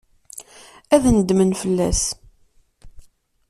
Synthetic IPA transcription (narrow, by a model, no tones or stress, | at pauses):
æðnəd̪mənfəlːæ̰s